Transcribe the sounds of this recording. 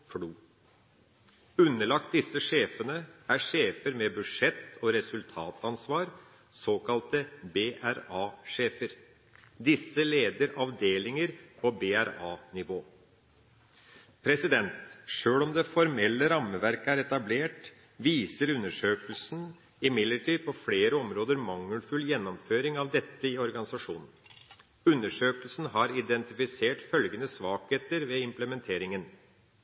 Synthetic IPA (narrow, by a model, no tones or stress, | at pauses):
fɽuː | ʉnːəɭɑk̚t̪̚d̪ɪsːəʂeːfənəæʂeːfəɾmɛbʉdʂɛt̪ːɔɾɛsʉlt̪ʰɑːt̪ɑnsʋɑːɾ | soːkɑlt̪əbeʔæɾɑːʂeːfəɾ | d̪ɪsːəleːd̪əɾɑʋd̪eːlɪŋəɾpʰɔbeæɾɑːnɪʋoː | pʰɾɛsɪd̪ɛnt̪ʂøːlɔmd̪ɛfɔɾmɛlːəɾɑməʋæɾkəæɾɛt̪ɑbleːʈ | ʋiːsəɾʉnːəʂøːkəlsn̩ | ɪmɪd̪ləʈʰiːd̪̚pʰɔfleːɾəɔmɾoːd̪əɾmɑŋːəlfʉlːjɛnːɔmføːɾɪŋɑʋd̪ɛt̪ːəɪɔɾɡɑnɪsɑʂṵːnn̩ | ʉnːəʂøːkəlsn̩ɦɑɾɪd̪ɛnt̪ɪfɪseːʈfœlɡənəsʋɑːkheːt̪əɾʋɛɪmpləmɛnt̪ʰeːɾɪŋən